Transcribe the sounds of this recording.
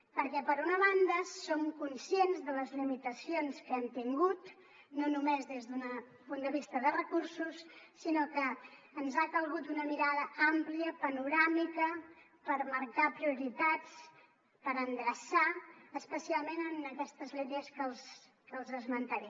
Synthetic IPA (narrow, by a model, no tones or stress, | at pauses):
pəɾkɛpəɾunəβ̞and̪əssomkunsienzðələzlimit̪əsionskɛmt̪iŋɡut̪ | nonumezðezðunə | pund̪əβ̞ist̪əðərəkuɾsusːinokəː | nzakəlˠɣut̪̚d̪unəmiɾaðəampliəpənuɾamikə | pəɾməɾkapɾiuɾit̪at͡s | pəɾənd̪ɾəsaəspəsialˠmenənəkɛst̪əzlet̪əskəlˠs | kəːlˠzəzmənt̪əɾɛ